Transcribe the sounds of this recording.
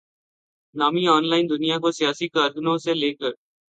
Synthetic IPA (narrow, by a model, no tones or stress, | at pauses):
naːmiɔːnlaːɪnd̪ʊnijakosijaːsikaːɾɡənõseleːkəɾ